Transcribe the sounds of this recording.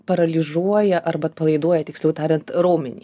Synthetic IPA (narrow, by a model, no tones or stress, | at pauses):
pɐɾɐlʲɪzuɔjɛʔɐrbɐt̪̚pɐlˠɐɪd̪uɔjɛt̪ʲɪksʲlʲɛʊt̪ɑːɾʲɛnt̪ɾoːmʲɪnʲḭː